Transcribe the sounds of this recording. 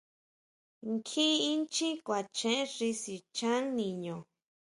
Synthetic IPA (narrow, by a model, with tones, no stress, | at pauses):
ŋkʰĩ˦i˦nt͡ʃĩ˦kʷa˨t͡ʃẽ˦ʐi˧si˨t͡ʃã˦ŋnĩ˨ɲõ˨